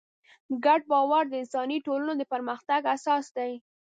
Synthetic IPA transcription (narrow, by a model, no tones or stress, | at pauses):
ɡaɖ̚bɑwaɾd̪əɪnsɑniʈolənod̪əpəɾməxt̪aɡasɑsd̪aj